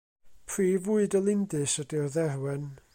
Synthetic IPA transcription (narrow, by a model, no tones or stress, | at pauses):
pʰriːvuɨdəlˠɪndɨsədirðɛrwɛn